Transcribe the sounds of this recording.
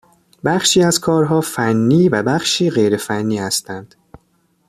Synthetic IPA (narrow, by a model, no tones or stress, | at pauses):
bæχʃiːæzkʰɒːɾɦɒːfænːiːvæbæχʃiːɢe̞jɾe̞fænːiːhæst̪ænd̪̥